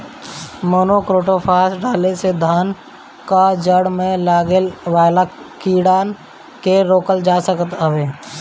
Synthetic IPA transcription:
moːnokɾoːʈopʰaːsɖaːlesed̪ʱaːn | kad͡ʒəɽmẽlaːɡelʋaːlakiːɽaːn | keɾoːkəld͡ʒaːsəkət̪ɦəʋeː

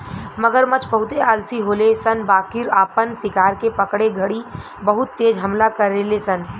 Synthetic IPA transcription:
məɡəɾmɐt͡ʃbəɦʊt̪eaːlsiɦoːlesənbaːkiɾaːpənsɪkaːɾkepəkɽeɡʱɐɽi | bɐɦʊt̪ːeːd͡ʒɦɐmlakəɾːelesən

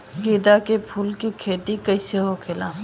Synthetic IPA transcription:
ɡiːd̪akepʰuːlkikʰeːt̪ikəɪseɦokʰelaː

